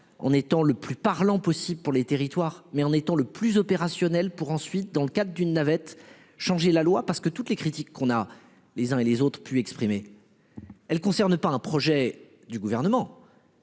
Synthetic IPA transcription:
ɑ̰̃net̪ɑ̃ləplypaʁlɑ̃pɔsibləpuʁlet̪eʁit̪waʁmɛɑ̃net̪ɑ̃ləplyzɔpeʁasjɔnɛlpuʁɑ̃sɥit̪̚d̪ɑ̃ləkad̪ʁəd̪ynːavɛt̪ | ʃɑ̃ʒelalwapaʁsə̥kət̪ut̪lekχit̪ikʰːɔ̃na | lezɛ̃elezot̪χəpyɛkspχime | ɛlkɔ̃sɛʁnəpaɛ̃pχɔʒɛ | d̪yɡuvɛʁnəmɑ̃

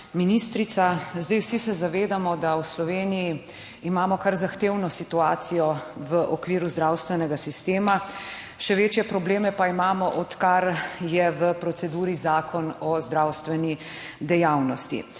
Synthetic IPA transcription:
minist̪ɾit̪sazd̪ajwsisɛzaʋeːd̪amɔd̪awslɔʋeːnijiː | maːmɔkaɾzaxt̪eːwnɔsit̪uaːt̪sijɔʋəʔɔkʋiːɾuzd̪ɾawst̪ʋɛnɛɡasist̪eːma | ʃɛʋeːt͡ʃjɛpɾɔbleːmɛpaimaːmɔʔɔt̪kaɾjɛʋəpɾɔsɛd̪uːɾizaːkʰɔnɔzd̪ɾawst̪ʋɛni | d̪ɛjawnɔst̪ḭ

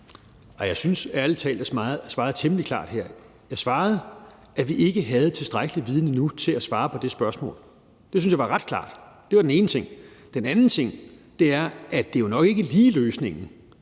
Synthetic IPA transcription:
æjɑ̈ɪsynsælət͡sʰɛ̰ːld̥əsmɑ̈ð̩ˠsʋɑ̈ːð̩ˠt͡sʰemlikʰl̥ɑ̰̈ːd̥heɐ̰ | jɑ̈ɪsʋɑ̈ːð̞̩ˠ | ʔæʋiʔe̝ɡ̥əɦæð̞̩ˠt͡sʰe̝lsd̥ʁaɡ̥əliʋiːð̞ˠnənut͡sʰe̝læsʋɑ̈ːpʰɒ̽d̥esb̥ɶɐsmɔ̰ːl | d̥e̝synsjɑ̈ɪʋɑ̈ʁɑ̈d̥kʰlɑ̰̈ːd̥ | d̥e̝ʋɑ̈d̥ene̝ːnət͡sʰe̝ŋ̰d̥enænn̩t͡sʰe̝ŋ̰ | d̥e̝æɐʔæd̥e̝jo̝nɒ̽ɡ̥e̝ɡ̥əliːløːsne̝ŋ̰n̩

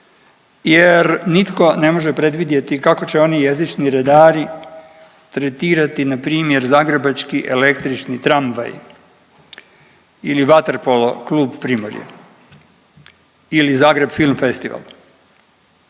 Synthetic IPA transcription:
jeɾnit̪ko̞ne̞mo̞ʒepɾe̞d̪ʋid̪je̞t̪ikako̞t͡ɕeo̞nije̞zit͡ʃniɾed̪aːɾi | t̪ɾet̪iːɾat̪inapɾiːmje̞ɾzaːɡɾebat͡ʃkiʔe̞le̞kt̪ɾit͡ʃnit̪ɾamʋa̰j | iliʋat̪eɾpolo̰kluːbpɾiːmoɾjḛ | ilizaːɡɾebfilˠmfe̞st̪iʋa̰l

